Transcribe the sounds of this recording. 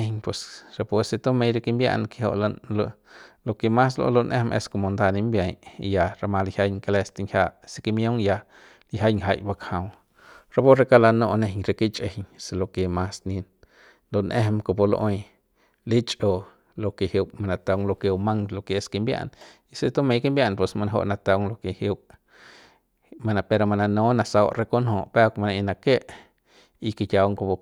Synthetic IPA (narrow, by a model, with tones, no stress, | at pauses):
ne˧ɲpwe˨sɾe˧˨pwe˧se˧t̪o˦me˧jɾe˧ki˧mbja̰˧ʔnke˧ho̰˧ʔlalolo˧ke˧ma˦s̬lo̰˧lo˧nʔḛ˦mʔḛ˧sko˧˨mo˨nd̪a˧ni˧mbja˧jja˧ɾa˧ma˧lhja˧jŋke˧le˧st̪i˧ŋhʲja˧ʔse˧ki˧mjo˦ŋja˧ | li˧ɦa˦jŋɦa˧jba˧kha˨˧w | ɾa˧po˦ɾe˧ka˦la˧no˧ʔne˧ɦɲɾe˧ki˦t͡ʃʼe˨hɲse˧lo˧ke˨ma˦sni˧n | nd̪o˨nʔe˦hmko˧˨po˧lo˧ʔo˧j | li˦t͡ʃʼo˧ | lo˧ke˨hi˧wbma˧na˧t̪a˧wŋlo˧ke˧ma˦ŋlo˧ke˧ske˧mbja̰˧ni˧se˧t̪o˦mẽ˧ke˦mbja˦˧npwe˧sma˧na˧ɦo̰˧ʔna˧t̪a˧wŋlo˧ke˧hi˧b | ma˧na˧pe˧ɾo˧ma˧na˧nõ˦na˧sa˧wɾe˧ko˦nhõ˧˨pe˦˧kma˧na˧i˧na˧ke˦ʔ | i˧ke˧t̪ʲa˧wŋko˧bo˧